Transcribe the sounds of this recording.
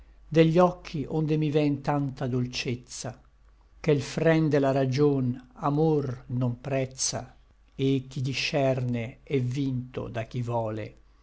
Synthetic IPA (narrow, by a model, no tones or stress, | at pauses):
d̪eʎːɔkʰːiʔond̪emivɛnt̪ant̪ad̪olt͡ʃet̪sa | kelfɾɛnd̪elaɾad͡ʒonamornompɾɛt̪sa̰ | ek̟ːid̪iʃːɛrneɛvːint̪o̰d̪ak̟ivɔːlḛ